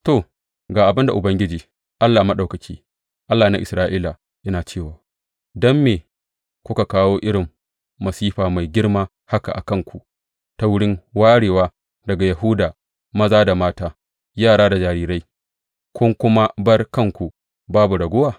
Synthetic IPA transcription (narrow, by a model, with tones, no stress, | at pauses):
to˨ | ɡaː˨ʔa˨bɪ˦nda˨ʔʊ˨bɐ˦ŋɡʲɪ˦d͡ʒiː˨ | ʔa˦lːaː˨mɐ˦ɗa˨wkɐ˨kʲiː˦ | ʔa˦lːaː˨na˦ʔɪ˨sɾaː˦ʔiː˦la˨ | ʔɪ˦naː˨t͡ʃeː˦˨waː˨ | dɔ˦mːeː˨ | kʷʊ˦ka˨kaː˦woː˦ʔɪ˦ɽɪ˨mː | ɐ˨siː˦ɸaː˨ma˨jɡʲɪ˦ɽmaː˦ | ha˦ka̰˨ʔa̰˨kɐ˦ŋkʷu˨ʔ | ta˦wʊ˦ɽɪ˦ŋwaː˦ɽeː˨waː˦ | dɐ˨ɡa˨jɐ˨ɦuː˦daː˨ | mɐ˦zaː˦da˨maː˦taː˦ | jaː˦˨ɽaː˦da˨d͡ʒaː˨ɾiː˦ɾa˦j | kʷʊ˦ŋkʷʊ˦ma˦bɐ˦rkɐ˦˨ŋkʷu˨ | baː˦bu˨ɽɐ˨ɡʷʊ˦waː˦˨